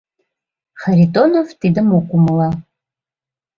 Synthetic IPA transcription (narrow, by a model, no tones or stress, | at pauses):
χaɾitʼonovtʰʼidɨmokʷʼʊmla